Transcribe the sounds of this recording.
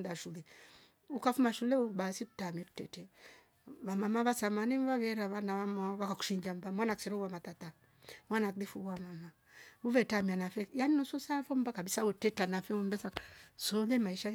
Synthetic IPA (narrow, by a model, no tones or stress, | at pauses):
daʃulɛ | ukafumaʃulɛubasitutamɛtu̥tɛ̰tɛ | βamamaβasamanimβaβɛɾaβanaβamaβakaku̥ʃiɲd͡ʒambamwanaksiɾɔwamatata | mwanakdifuwamama | uvɛtamianafɛjaninɔsɔsafɔm̩bakabisawɛtɛtanafɛum̩bɛsasɔlɛmaiʃa